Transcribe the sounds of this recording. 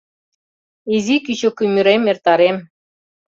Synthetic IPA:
izikyɕokymʲyɾemert̪ɑɾem

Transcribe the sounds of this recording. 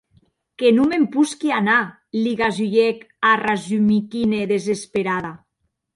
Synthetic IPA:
kenumempuskiana | liɣazuʎek | arazumikineðezespeɾaða

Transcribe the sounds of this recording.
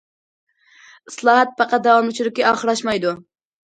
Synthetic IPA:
ɨslˠɑːɦɑt̪̚pɑqɑd̪ɑwɑmut͡ʃʰyɾɪkʲːiɑχɾɑʃmɑjd̪u

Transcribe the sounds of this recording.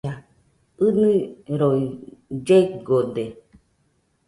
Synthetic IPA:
a | ɨnɨɾoid͡ʒeɡode

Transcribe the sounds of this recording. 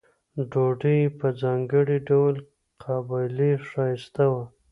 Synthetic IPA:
ɖoɖijpəzɑŋɡəɽiɖawl | qʰabɑjliʂɑjst̪awa

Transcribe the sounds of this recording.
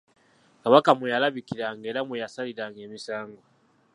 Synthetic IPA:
kaβakamujalaβikiɾaŋɡe̞ːɾamujasaliɾaŋɡeːmisaːŋɡo

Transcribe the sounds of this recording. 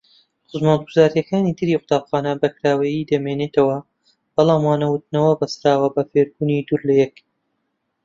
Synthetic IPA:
χʊzmalɡuzaːɾijɐkaːnid̪ɨɾiːqʊ̥t̪aːpχaːnɐbɐkɾaːwejiːd̪ɐmeːneːt̪ʰɐwɐ | b̥ɑlˠaːmwaːnɐwʊt̪̚nɐwɐbɐsɾaːwɐbɐfeːɾbuːnid̪uːɾlɐjɛk

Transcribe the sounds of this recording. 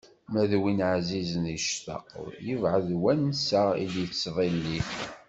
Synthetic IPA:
mæðwinʕazizəniʃθɑ̰qðjəvʕəðwænsæḭljət͡sːðˤilːi

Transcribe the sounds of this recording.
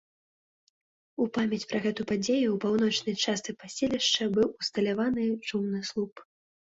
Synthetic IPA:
upamʲɐt͡sʲpɾɐɣɛt̪upad͡zʲejuwpawnɔt͡ʂnɐjt͡ʂast̪sɨpasʲɛlʲiʂt͡ʂɐbɨwust̪ɐlʲavanɨt͡ʂumnɨslˠup

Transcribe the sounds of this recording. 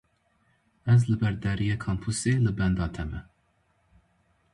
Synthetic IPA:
ɛzləbɛɾd̪æɾijɛkʰɑmpʰuseləbɛnd̪ɑːt̪ʰɛmɛ

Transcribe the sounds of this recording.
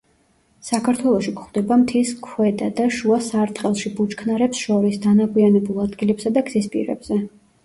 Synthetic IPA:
sakʰaɾt̪ʰwɛlˠɔʃikʰχd̪̥ɛbamt̪ʰiskʰwɛd̪ad̪aʃuasaɾt̪χʼɛlˠʃibut͡ʃkʰnaɾɛpsʃɔɾisd̪anaɡʰʼwianɛbulˠad̪ɡilɛpsad̪aɡzispʼḭɾɛ̰bz̥ɛ

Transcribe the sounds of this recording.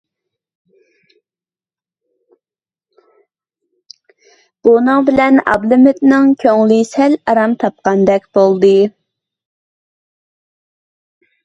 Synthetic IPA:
b̥unɨŋbɪlɛnɑ̰blɪmɪt̪nɪŋkʲʰøŋlɨsɛlɑɾɑmt̪ʰɑp̚qɑnd̪ɛkʲb̥olˠd̪ɨ

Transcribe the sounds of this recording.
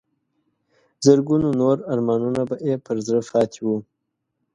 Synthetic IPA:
zəɾɡunonoɾaɾmɑnunabaʔepʰəɾzɾəfɑt̪ʰiwu

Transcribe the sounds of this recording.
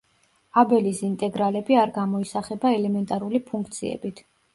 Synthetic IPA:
abɛlisint̪ʼɛɡɾalɛbiaɾɡamɔisaχɛbaɛlɛmɛnt̪ʼaɾulipʰuŋkʰt̪sʰḭɛ̰bit̪ʰ

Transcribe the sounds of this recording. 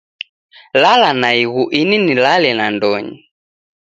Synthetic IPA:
lalanaiɣuʔininilalɛnandɔɲḭ

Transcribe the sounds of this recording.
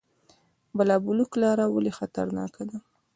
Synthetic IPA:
balɑbuluklɑɾawalexat̪a̰ɾnɑ̰kad̪a

